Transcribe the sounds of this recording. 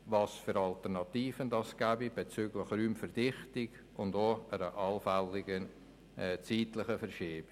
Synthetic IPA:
vɑːsfʏɾɑltəʁnɑtiːfəndɑsɡ̥æbib̥et͡syːɡlɪχryːmfɛrd̥ɪχtɪɡ | ʊndoəɾəʔɑlfɛlɪɡə | ɛt͡siːtlɪχəfɛrʃiːb̥

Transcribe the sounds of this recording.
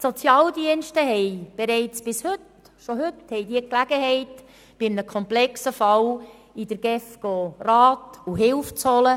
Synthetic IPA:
sɔt͡sjɑːldiənʃtəɦɛɪb̥ɛɾɛɪt͡sb̥ɪshʏt | ʃoɦʏthɛɪdiəklæɡ̥əɦɛɪt | b̥ɪmnəkʰɔmplɛksəfɑl | id̥əɾɡ̥ɛfɡ̥orɑːtuɦɪlft͡shɔlə

